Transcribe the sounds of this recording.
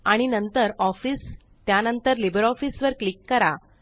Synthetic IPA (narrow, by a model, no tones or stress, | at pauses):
aɽ̃inənt̪əɾɔfiːs | t̪janənt̪əɾlibəɾɔfiːsʋəɾklikːəɾa